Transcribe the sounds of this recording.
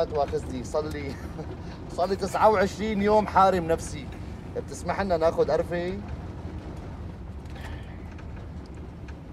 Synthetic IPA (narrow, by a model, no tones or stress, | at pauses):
t̪waːxɪznisˤɑlːi | sˤɑlːit̪ɪsʕawʕɪʃɾiːnjoːmħaːɾɪmnafsi | b̚t̪ɪsmaħʔɪnːanaːxʊd̪ʔɑɾˤfi